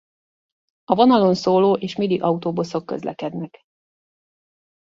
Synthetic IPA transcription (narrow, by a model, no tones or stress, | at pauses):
ɒvonɒlo̞nsoːloːʔeːʃmid̪iʔɒut̪oːbuso̞kːø̰zlʔɛ̰kɛd̪nɛk